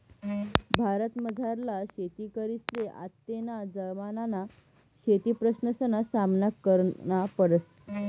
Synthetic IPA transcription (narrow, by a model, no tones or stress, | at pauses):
bʱaɾət̪məd͡zʱaɾlaɕet̪iːkəɾisleʔa̰t̪ːenad͡zəɾmanana | ɕet̪iːpɾəsnəsənasamnakːəɾnapəɾəs